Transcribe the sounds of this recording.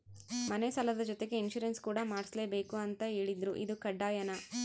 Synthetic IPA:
mɐnesɐlɐd̪ɐd͡ʒɔt̪e̞ɡe̞inʃuɾenskuːɽɐmaːɽisle̞ːbe̞ːkuɐnt̪ɐɦeːɭid̪ɾuʔḭd̪ukɐɖːaːjɐnɐ

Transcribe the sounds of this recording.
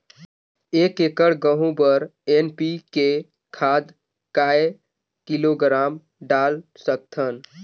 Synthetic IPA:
ekekəɽɡəɦũbəɾenpike | kʰad̪ | kae | kiloɡɾam | ɖalsək̚t̪ʰən

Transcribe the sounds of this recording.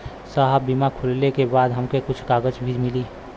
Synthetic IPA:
saɦəbːimakʰʊllekebaːd̪ɦəmkekʊt͡ʃʰkaːɡəd͡ʒbʱiːɾmɪliː

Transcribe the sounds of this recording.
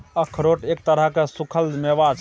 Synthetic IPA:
əkʰɾoʈek̚t̪əɾəkesukʰəld̪mebat͡ʃ

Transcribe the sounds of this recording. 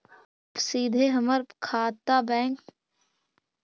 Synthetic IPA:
siːd̪ʱeːɦəməɾkʰaːt̪ːaːbɛ̃ːŋk

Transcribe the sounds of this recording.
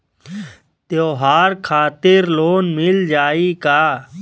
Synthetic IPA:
t̪joːɦaːɾkʰaːt̪ɪɾloːnmɪld͡ʒaːiːkaː

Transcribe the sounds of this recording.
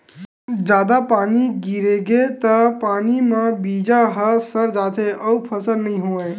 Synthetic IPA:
d͡ʒad̪apaniɡiɾeɡet̪əpanimãbid͡ʒaɦəsəɾd͡ʒat̪ʰeʔəwpʰəsəɾnəɦĩɦoe

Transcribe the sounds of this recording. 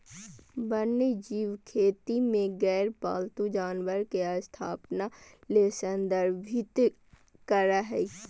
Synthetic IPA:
bənːed͡ʒiːʋkʰeːt̪imẽɡɛːɾpa̰ːlt̪ud͡ʒaːnʋəɾkeəst̪ʰaːpnaleːsənd̪əɾbʱɪt̪ | kəɾaɦɛ

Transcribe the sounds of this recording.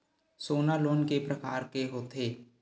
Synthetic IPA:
soːnaloːnkepɾəkaːɾkeɦoːt̪eː

